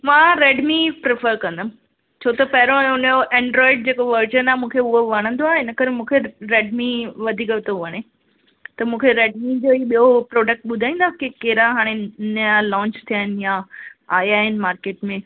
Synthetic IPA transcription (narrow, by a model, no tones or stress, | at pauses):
mãːɾeːɖmipɾɪfəɾkɐ̃nd̪əm | t͡ɕʰoːt̪ɐpɐɦɪɾoʊnjoʔẽːɳɖɾɔːɪɖ̚d͡ʑeːkoʋəɾd͡ʒənaːmũːkʰeʊɦoʋɐɽ̃ə̃nd̪oaːɦɪnəkɐɾmũːkʰeɾeːɖmĩʋɐd̪ʱiːkəbɪt̪oʋɐɽ̃ẽ | t̪ɐmũːkʰeɾeːɖmĩd͡ʑoːiːɓijopɾoːɖək̚ʈ̚ɓʊd̪ʱaːĩːnd̪aːkekeːɾaɦaːɽ̃enlɔ̃ːɲt͡ɕt̪ʰijəɪn̆jãaːjaːɦɪnɪ̆maːɾkeːʈmẽ